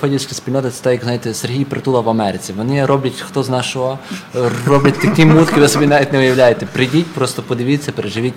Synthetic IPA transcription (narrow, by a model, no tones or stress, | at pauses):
pɔdʲiskʲɐsʲpʲilʲnɔt̪ɐt̪sɛ̥t̪ajɐkznajet̪ɛserɦʲijpɾɪt̪ulˠɐʋɐmɛɾɪt͡sʲiʋɔnɪɾɔblʲɐtʲxt̪ɔznɑʃɔɦɔ | rɔblʲɐtʲt̪ɐkʲimut̪kʲiʋɪsɔbʲinaʋʲit̪ʲnɛʊjɐwlʲajet̪ɛpɾɪdʲitʲpɾɔst̪ɔpɔd̪ɪʋʲit͡sʲːɐpeɾeʒɪʋʲitʲ